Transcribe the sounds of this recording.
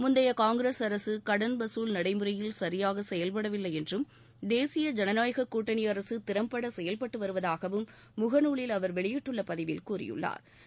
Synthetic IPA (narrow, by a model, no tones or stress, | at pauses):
mʊnd̪ɐjɐkaːŋɡɪɾeːsɐɾɐsɯkɐɽɐnbɐsuːlnɐɽɐɪmɯɾɐjɪlsɐɾɪjaːɣɐsɛjɐlpɐɽɐʋɪlːɐɪɛndrɯm | d̪eːsɪjɐd͡ʒɛnɐnaːjɣɐkːuːʈːɐɳɪjɐɾɐsɯt̪ɪɾɐmpɐɽɐsɛjɐlpɐʈːɯʋɐɾɯʋɐðaːɣɐʋɯmː | ʊɣɐnuːɭɪlɐʋɐɾʋɛɭɪjɪʈːɯɭːɐpɐðɪʋɪlkuːɾɪ̰jɯ̰ɭːa̰ːɾ